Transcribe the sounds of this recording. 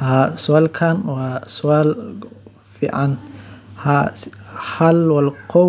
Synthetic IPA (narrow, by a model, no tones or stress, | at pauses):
hasʊalkʰanwasual | fḭʕanha | ħalwalqo